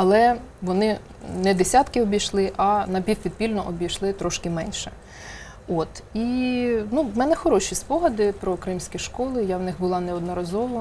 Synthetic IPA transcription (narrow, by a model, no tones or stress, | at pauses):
ɐlˠɛ | ʋɔnɪ | nɛd̪esʲat̪kɪɔbʲijʃlˠɪʔɐnɐpʲiwpʲid̪̚pʲilʲnɔʔɔbʲijʃlˠɪt̪ɾɔʃkɪmɛnʲʃɛ | ot̪inumɛnɛxɔɾɔʃʲispɔɦɐd̪ɪpɾɔkɾɪmsʲkʲiʃkɔlˠɪjaʋnɪxbʊlˠɑnɛɔd̪nɔɾɐzɔʋɐ